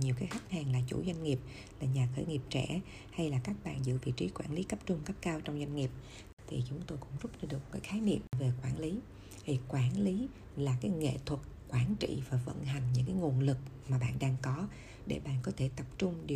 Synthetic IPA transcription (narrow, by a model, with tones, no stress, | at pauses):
ɲi˨˩əwkaː˨˦jxa˦˥jk̟̚haː˨˩ŋlaː˨˩t͡ɕṵ˧˩zwa˧jŋ̟ŋi˨˩əp̚ | laː˨˩ɲaː˨˩xəː˧˩ŋi˨˩əp̚t͡ɕɛ̰˧˩ | ha˧jlaː˨˩kaː˦˥k̚ɓa̰ː˧˨nzɨ̰˧˨vḭ˧˨t͡ɕi˨˦kwaː˧˩nli˨˦kə˦˥p̚t͡ɕʊ˧ŋ͡mkə˦˥p̚kaː˧wt͡ɕɔ˧wŋ͡mzwa˧jŋ̟ŋi˨˩əp̚ | t̪ʰi˨˩t͡ɕʊ˨˦ŋ͡mt̪o˧jkʊ̰˧˥ŋ͡mzʊ˦˥p̚ɗa˧ɗɨ˨˩əkkaː˨˦jxaː˨˦jnḭ˧˨əmve˨˩kwaː˧˩nli˨˦ | hi˨˩kwaː˧˩nli˨˦ | laː˨˩kaː˨˦jŋḛ˧˨t̪ʰwə˨˩t̚kwaː˧˩nt͡ɕḭ˧˨vaː˨˩və̰˧˨nɦa˨˩jŋ̟ɲɨ̰˧˥ŋkaː˨˦jŋo˨˩ənlɨ˨˩k̚maː˨˩ɓa̰ː˧˨nɗaː˧ŋkɔ˨˦ | ɗe˧˩ɓa̰ː˧˨nkɔ˨˦t̪ʰe˧˩t̪ə˨˩p̚t͡ɕʊ˧ŋ͡mɗi˨˩